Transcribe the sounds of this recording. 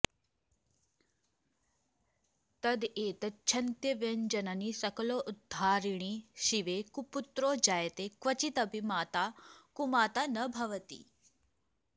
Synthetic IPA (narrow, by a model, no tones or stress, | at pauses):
t̪ɐd̪eːt̪ɐt͡ʃʰɐnt̪jɐʋjɐnd͡ʑɐnaniːsɐkloʔud̪ʱːaːɾiɳ̃iːɕiʋekuput̪ɾoːd͡ʑaːjt̪ekʋɐt͡ɕit̪ɐbʱimaːt̪akumaːt̪anəbʱɐʋət̪ḭ